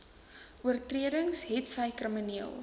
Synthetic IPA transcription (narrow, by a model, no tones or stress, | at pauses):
ʔuərtriədəŋsɦɛtsəjkrəməniəlˠ